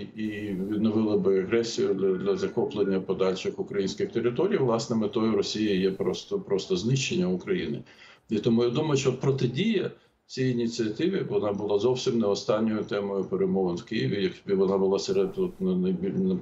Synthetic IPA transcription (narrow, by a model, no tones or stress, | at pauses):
iʋʲid̪̚nɔʋɪlˠɐbɪɐɣɾɛsʲijʊd̪ʲɐd̪lʲɐzɐkɔplˠenʲːɐpɔd̪ɑlʲʃɪxʊkɾɐjinʲsʲkʲɪxt̪eɾɪt̪ɔɾʲijʋlˠɑsnɛmɪt̪ɔjʊɾɔsʲijɐjɛpɾɔst̪ɔpɾɔst̪ɔznɪʃt͡ʃːenʲːɐʊkɾɐjḭnɪ | it̪ɔmujad̪umɔjʊʃt͡ʃɔɔt̪pɾɔt̪ɪdʲijɐ | t͡sʲijinʲit͡sʲiɐt̪ɪʋʲɪʋɔnɑbʊlˠɑzɔwsʲimnɛɔst̪ɑnʲːɔjʊt̪ɛmɔjʊpeɾemɔʋɐnwkɪjiʋʲijɐkbɪʋɔnɑbʊlˠɑseɾed̪ut̪nnɐbʲin